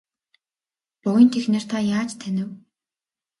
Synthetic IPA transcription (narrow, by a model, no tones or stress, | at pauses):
pʊjə̆nt̪ʰexneːr̥t̪ʰaːjaːt͡ɕt̪ʰænʲɘ̆w